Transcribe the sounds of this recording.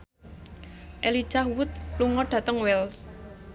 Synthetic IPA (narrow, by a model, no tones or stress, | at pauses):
ʔeli̥ʒ̥ahwʊt̪̚luŋɔɖ̥ä̤t̪əŋwɛls